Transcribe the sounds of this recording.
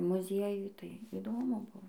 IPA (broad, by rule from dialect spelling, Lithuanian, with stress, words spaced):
mʊˈzʲiɛjʊj tɐɪ iːˈdoːmʊ ˈbʊʋoː